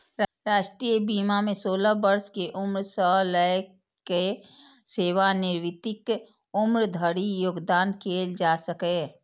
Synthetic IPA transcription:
ɾaːʃʈɾiːjəbiːmamẽsoːlabəɾskeʔʊmɾsəɦlək | ke | seːʋanɪɾʋɪt̪ɪk | ʊmɾd̪ʱəɾijoːɡd̪aːnkʰeːld͡ʒaːsəke

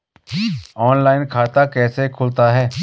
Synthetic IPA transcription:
ɔːnlaːɪnkʰaːt̪akɛːsekʰʊlt̪aɦɛː

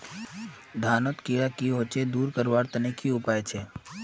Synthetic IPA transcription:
d̪ʱaːnot̪kijakiɦot͡ʃed̪uːɾkəɾʋaːɾt̪ənekʰiʊpaːjt͡ʃʰe

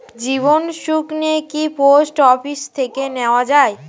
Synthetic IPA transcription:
d͡ʑiβonʃuknekiposʈɔfist̪ʰekeneoad͡ʑae

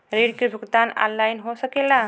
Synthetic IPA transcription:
ɾeɖkebʱuɡd̪ana̰nlajnɦosəkela

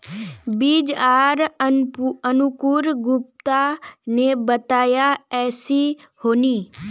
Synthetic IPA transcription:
biːd͡ʒaːɾ | ənʊkʊɾɡʊp̚t̪anebət̪aːjaɛːsi | hoːniː

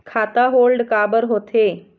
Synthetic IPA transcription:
kʰat̪aɦolɖkabəɾɦot̪ʰe

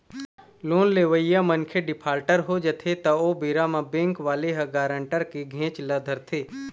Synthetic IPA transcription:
loːnleːʋəijamənkʰeɖɪpʰaːlʈəɾɦod͡ʒɐt̪ʰet̪ɐoːbeːɾamãbẽːŋkʋaːleɦɐɡaːɾə̃ɳʈəɾkeɡʱẽːt͡ʃləd̪ʱəɾt̪ʰeː

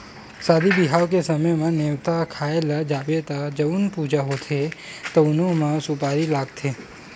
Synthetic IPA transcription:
sad̪ibiɦaʋkesəməjmãneʋt̪akʰaelad͡ʒabet̪ad͡ʒəʋunpud͡ʒaɦot̪ʰet̪ənomãsupaɾilaɡt̪ʰe

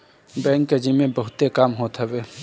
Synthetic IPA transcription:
bɛ̃ːŋkːed͡ʒimẽbɐɦʊt̪ːekaːmɦot̪ʰəweː

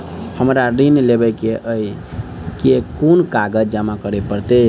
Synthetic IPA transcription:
həmɾaɾinlebəkeʔəi | kekonkaɡəd͡ʒd͡ʒamakəɾepəɾt̪e

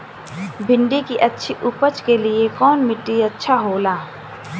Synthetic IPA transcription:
bʱɪ̃ɳɖikiʔɐtːʃʰiʔʊpət͡ʃkeliekɔːnmɪʈːiɐtːʃʰaɦoːlaː

